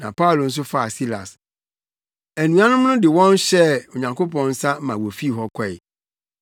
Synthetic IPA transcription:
nã˨pʰa˦ʊ˨lo˨n̩˦s̬ʊ˦fa˦a˨si˦la̰˨s | æ˨nũ˨a˦nʊ̃˦mnʊ̃˦dɪ˨wɔ̃˦n˦ɕɛ˦o˨ɲã˨ŋkʰo˦pɔ̃˨n̩˦sa˦m˦mã˨wo˨fi˦˨ɦɔ˦kʷʰɔ˦˨ɪ̰˨

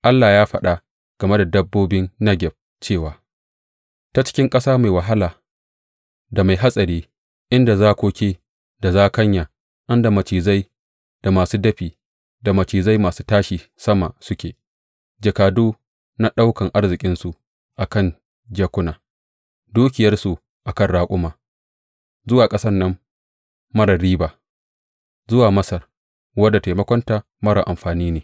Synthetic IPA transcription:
ʔa˦lːaː˨jaː˦ɸɐ˦ɗa˦ | ɡ̥ɐ˨me˦da˨dɐ˦bːoː˦bɪ˦nːɐ˦ɡʲɛ˨b̚ | t͡ʃeː˦˨waː˨˦ | ta˨t͡ʃɪ̥˦kʲɪ˦ŋkʼɐ˦saː˦ma˨jwɐ˨ɦa˦laː˨ | da˨ma˨jɦa˦sʼɐ˨ɽiː˦ | ʔɪ˦nda˨zaː˦kʷoː˦kʲeː˦ | da˨zaː˦kɐ˦ɲjaː˨ | ʔɐ˦nda˨mɐ˨t͡ʃiː˨za˦j | d̥a˨maː˨suː˦dɐ˦ɸiː˨ | da˨mɐ˨t͡ʃiː˨za˦jmaː˨suː˦taː˦ʃiː˨ | sɐ˦ma̰˨sʊ˦kʲeː˨ | d͡ʒɐ˨kaː˨duː˦ | na˦ɗa˦wkɐ˨ŋʔa˦rzɪ˨kʲʼɪ˦nsu˨ | ʔa˨kɐ˦˨n | d͡ʒɐː˦kʷʊ˦naː˨ | duː˦k̬ʲɪ˨jɐ˦rsu˨ | ʔa˨kɐ˦˨nɽaː˦kʷʼʊ˦maː˨ | zʊ˦waː˨kʼɐ˦sɐ˦rːɐ˦mː | ɐ˦ɽɐ˨ɾiː˦baː˨ | zʊ˦waː˨mɐ˦sɐ˨r | wɐ˦dːa˨ta˨jmɐ˦kʷɔ˦nta˨ | mɐ˦ɽa̰˨ʔa˨mɸaː˨niː˦neː˨

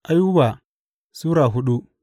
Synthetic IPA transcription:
ʔa˦ju˦ba˨ | suː˦ɾa˨ɦʊ˦ɗu˦

